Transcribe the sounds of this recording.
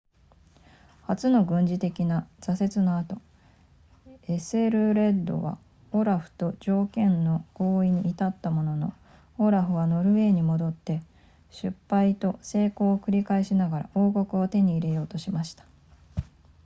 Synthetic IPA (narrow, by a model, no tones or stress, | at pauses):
hat͡sɨno̞ɡɯ̟̃ɲ̟d͡ʑit̪e̞kʲinaz̥ase̞t͡sɨnoat̪o̞ | e̞sɨe̞ɾɯ̟ɾe̞d̪o̞̰βa̰ | o̞ɾaɸɯ̟̥t̪o̞d͡ʑo̞ːkẽ̞nːo̞ɡ̥o̞ːiɲ̟iʔːt̪at̪ːamo̞no̞no̞̰ | oɾaɸɯ̟βano̞ɾɯ̟βe̞ːɲ̟imo̞d̪o̞t̪ːe̞ | ɕɨpːait̪o̞se̞ːko̞ːkɯ̟ɾʲikaeɕinaɡaɾa̰ʔo̞ːko̞kɯ̟ot̪e̞ɲ̟iːɾe̞jo̞ːt̪o̞ɕimaɕi̥t̪ḁ